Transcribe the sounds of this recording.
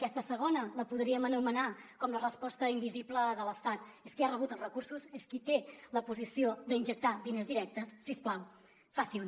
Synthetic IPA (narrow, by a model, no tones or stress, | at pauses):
kɛst̪əsəɣ̞onələpuðɾiəmənumənakɔmlərəspɔst̪əimbizipləðələst̪at̪eskiarəβut̪əlˠrəkursuseskit̪eləpuzisiod̪əinʒək̚t̪aðinəzðiɾɛk̚t̪əsːisplaw | fasi